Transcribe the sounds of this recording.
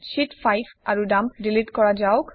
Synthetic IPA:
ʃitfajpaɹudampdilitkɔɹad͡ʒawk

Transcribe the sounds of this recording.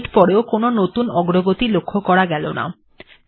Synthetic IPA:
ʈpɔɾeokononot̪unɔɡɾoɡot̪ilokʰːokɔɾaɡɛlona̰

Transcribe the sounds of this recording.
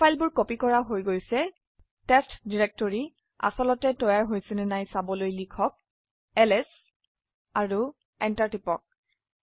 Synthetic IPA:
pʰajlbʊɹkopikɔɹaɦojɡojsɛ | tɛstdiɹɛk̚tɔɹi | a̰sɔlɔtɛtɔjaɹɦojsɛnɛnajsabɔlojlikʰɔk̚ | ɛlɛs | aɹu | ɛntaɹtipɔk̚

